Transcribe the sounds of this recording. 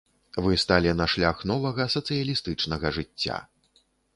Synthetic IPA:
vɨst̪alʲinɐʂlʲaxnɔvɐɣɐsɐt̪sɨjɐlʲist̪ɨt͡ʂnɐɣɐʐɨt͡sʲːa̰

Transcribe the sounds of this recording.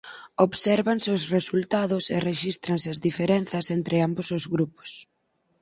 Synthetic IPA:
oβsɛɾβanseʊwsresult̪aðʊsereʃist̪ɾansɪɐzðifeɾɛnθɐsent̪ɾɪambosʊzɣɾupo̥s

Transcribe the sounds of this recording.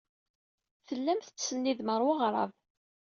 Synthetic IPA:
θəlːæmθət͡sːsənːiðməɾˤwəʁɾˤɑ̰v

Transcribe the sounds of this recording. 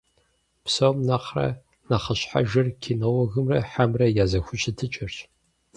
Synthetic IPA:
psɐwmnaχrɐ̰ | naχɐɕħa̰ʒɐrkʲʰinɐwɐɣɨmrɐħamrɐjaːzɐxʷʊɕʼɪtʰɨt͡ʃʼɐrɕ

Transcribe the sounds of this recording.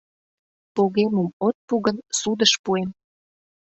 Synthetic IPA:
poɣemumot̪̚puɣənsud̪əʃpuem

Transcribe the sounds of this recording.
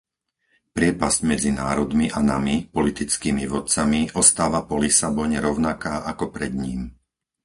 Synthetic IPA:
pɾɪɛpaz̥cmɛd͡zinaːɾɔd̪miʔanamipɔlit̪it͡skiːmiʋɔt̪̚t͡samiʔɔst̪aːʋapɔlisabɔɲɛɾɔʊnakaːʔakɔpɾɛd̪ɲiːm

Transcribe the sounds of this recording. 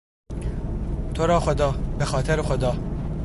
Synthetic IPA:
t̪ʰoɾɒːxod̪ɒːbexɒːt̪ʰeɾexod̪ɒː

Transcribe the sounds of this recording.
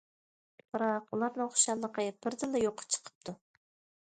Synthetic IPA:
b̥ɨɾɑqulˠɑɾnɨŋoχʃɑlˠːəqʰəb̥ɪɾd̪ɨlˠːɛjoqʰːə̥t͡ʃʰə̥qʰə̥p̚t̪ʰu

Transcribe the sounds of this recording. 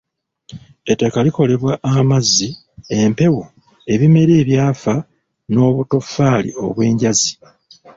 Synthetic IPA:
etːakaliko̞le̞βwaʔːmazːi | e̞mpe̞wo̞ | e̞βime̞ɾeːβjaːfa | no̞ːβuto̞faːlḭo̞̰βwe̞ːɲɟazi

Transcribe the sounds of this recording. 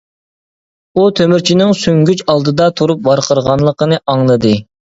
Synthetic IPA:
ut̪ʰømyɾt͡ʃʰinɪŋsyŋɡʲyt͡ʃɑlˠd̪ɨd̪ɑt̪ʰuɾup̚bɑɾqʰəɾʁɑnlˠəqʰənɨʔɑŋlˠɨd̪ɨ

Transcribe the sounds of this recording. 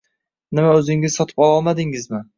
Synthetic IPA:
nɪmaɵzɪŋɪz̥sɒt̪ʰɪ̥pɒlˠɒlˠmad̪ɪŋɪzmɪ

